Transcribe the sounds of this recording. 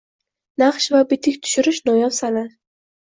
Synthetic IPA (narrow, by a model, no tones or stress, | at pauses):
naχʃvabɪt̪ʰɪkʲt̪ʰʊ̥ʃʊɾɪʃnɒjɒvsana